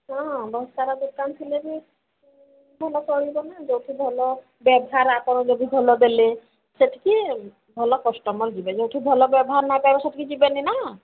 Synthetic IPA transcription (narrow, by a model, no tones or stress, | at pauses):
ɦɔ̃bɔst̪aɾad̪ukant̪ʰilebi | bʱɔlɔkɔɽibɔnad͡ʒowʈʰibʱɔlɔ | bɛbɔɦaɾakɔɾɔ̃d͡ʒod̪ibʱɔlɔbele | seʈʰi̥ki | bʱɔlɔkɔsʈɔmɔɾd͡ʒibed͡ʒowʈʰibʱɔlɔbɛbɔɦaɾnabɛbɔseʈʰikid͡ʒibenina